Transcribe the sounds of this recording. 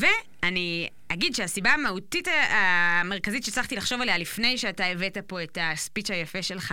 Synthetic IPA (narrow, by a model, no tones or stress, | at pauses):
ve | ani | aɡidʃeasibaːmahutitaame̞ʁ̞kazitʃet͡slaχt̪ilaχʃo̞valealifne̞jʃeataeve̞tapo̞e̞taspit͡ʃhajafe̞ʃe̞lχa